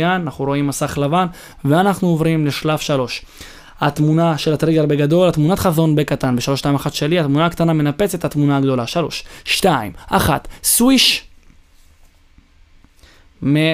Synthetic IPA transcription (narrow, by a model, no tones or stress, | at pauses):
jananaχnuɾo̞imːasaχlavan | veanaχnuovʁimle̞ʃlafʃalo̞ʃ | at̪munaʃe̞lat̪ʁiɡalbeɡad̪o̞lat̪munat̪χazo̞nbekat̪anbe̞ʃalo̞ʃtaimaχatʃe̞liat̪munaːkt̪aname̞nape̞t͡se̞t̪hat̪munaːɡd̪o̞laʃalo̞̰ʃʃt̪aimʔaχat̪swiʃ | me